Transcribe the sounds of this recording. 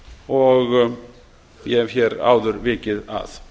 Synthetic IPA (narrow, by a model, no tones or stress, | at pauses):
ɔɣ | jɛhjɛɾa̰ːwðʏɾvɪːcɪða̰ð